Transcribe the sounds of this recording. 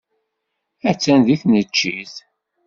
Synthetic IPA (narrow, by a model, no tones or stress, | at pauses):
æt͡sːænðiθnət͡ʃːiθ